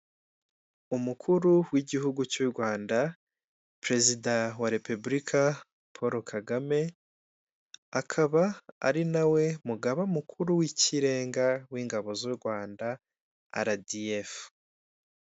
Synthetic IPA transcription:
umukʰuɾuwiɟiɦuɡut͡ʃuɾɡwaːnda | pɾe̞zidawaɾe̞publikʰa | pʰoɾokʰaɡame̞ | akʰaβaa̰ɾinawe̞muɡaβaumukʰuɾuwiciɾe̞ːŋɡawiːŋɡaβo̞zuɾɡwaːnda | a̰ɾadijef

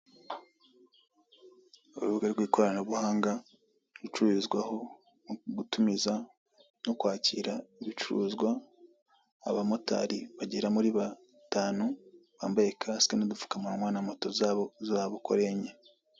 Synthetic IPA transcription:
uɾṵβuɡaɾɡwiːko̞ɾanoβuhaːŋɡa | ɾut͡ʃuɾizɡwaho̞ | ɡutumiza | nokwaːciːɾaiβit͡ʃuɾṵːzɡwaː | βamota̰ɾiβaɟeɾamuɾiβa | taːnoβa̰ːmbajekʰaskenodufu̥kamamwaːnamoto̞zaβozaːβokoɾeɲe

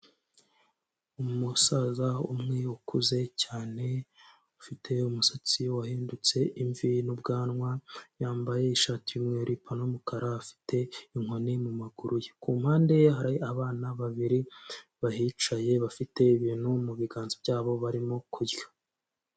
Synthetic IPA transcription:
umusazaṵmŋeukʰuze̞caːne̞ | ufitʰe̞umusat͡siwahiːndut͡se̞iɱvinub̚ɡaːnŋwajaːmbaje̞iʃaːtiumŋeuɾʔipʰanomukʰaɾaafi̥tʰe̞iŋ̥honimumaɡuɾujekuːmhaːnde̞jɦaɾajiaβaːnaβaβiɾiβaɦiːt͡ʃaje̞βafite̞iβiːn̥humuβiɡaːnzibɟaːβo̞βaɾimo̞kʰuɾɡḁ

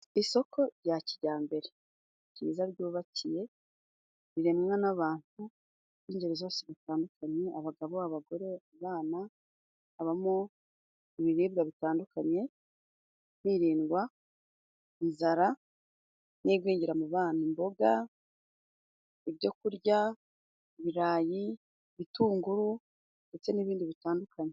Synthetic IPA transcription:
iso̞kʰo̞ɾɟaciɟaːmbe̞ɾe̞ | ciβizaɾɟuːβacije̞ | βiɾemŋanaβaːntu | iɲɟeɾezasiβataːndukʰaɲe̞ʔaβaɡaβo̞aβaɡo̞ɾe̞aβaːnaː | βamo | iβiɾiːbɡaβitaːndukaɲe̞ | niɾiːnɡwa | inzaɾa | niɡwiːɲiɾamuβaːnimbo̞ɡa | iβɟo̞kuɾɟa | iβiɾaːji | βituːŋɡuɾu | nde̞t͡se̞niβiːndiβitaːndukʰaɲe̞

